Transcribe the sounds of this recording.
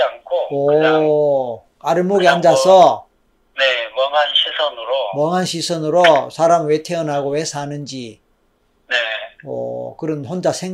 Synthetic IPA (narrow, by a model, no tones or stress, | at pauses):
ankʰoʌ | aɾɯɭmoɡiand͡ʑasʰʌ | nemʌŋɦanɕʰisʰʌnɯɾomʌŋɦanɕʰisʰʌnɯɾosʰaɾamɯɭwetʰeʌnɦaɡowesʰanɯnd͡ʑi | neʌ̰kɯɾʌnɸond͡ʑasʰeŋ